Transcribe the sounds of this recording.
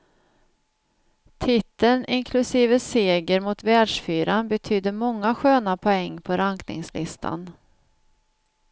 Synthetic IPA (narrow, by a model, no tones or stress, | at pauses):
t̪ʰɪt̪ːənɪnkʰlɵsiːvəseːɡəɾmʊt̪vɛːɖʂfyːɾanbɛt̪ʰyːd̪əɾmɔŋːaɧøːnapʰɔɛŋːpʰɔɾaŋknɪ̰ŋslʔɪ̰st̪ʰa̰n